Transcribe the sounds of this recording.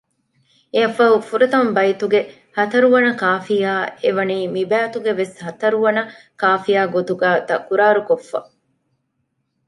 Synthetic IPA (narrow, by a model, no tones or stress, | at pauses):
eɐfɐɦufuɾet̪ɐmbɐjit̪uɡe | hɐt̪ɐɾuʋɐnɐkaːfijaːeʋɐniːmibæːt̪uɡeʋeshɐt̪ɐɾuʋɐnɐ | kaːfijaːɡot̪uɡæːt̪ɐkuɾaːɾukofːɐ̰